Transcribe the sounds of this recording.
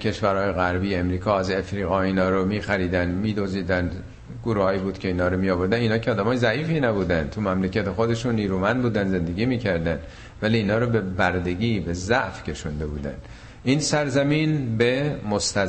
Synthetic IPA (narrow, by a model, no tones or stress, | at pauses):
kʰe̞ʃvæɾhɒːjeɣæɾbiːemɾiːkʰɒːæze̞fɾiːɣɒːiːnɒːɾomiːxæɾiːd̪ænmiːd̪oziːd̪æn | ɡoɾuːhɒːjiːbuːd̪̥kcʰe̞iːnhɒːɾomijɒːvoɾd̪æniːnɒːcʰeɒːd̪æmɒːjezæiːfinæbuːd̪ænd̪t̪ʰumæmlecʰæt̪exod̪e̞ʃunːiːɾumænd̪̚buːd̪ænze̞nd̪e̞ɡiːmiːcʰæɾd̪æn | væliːnɒːɾobe̞bæɾd̪eɟiːbe̞zæʔfcʰe̞ʃund̪e̞buːd̪æ̰n | ʔiːnsæɾzæmiːnbemost̪æ